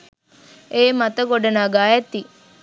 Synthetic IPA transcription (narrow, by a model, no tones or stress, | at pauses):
eːmat̪əɡoɖɐnaːɡaːɛt̪ːi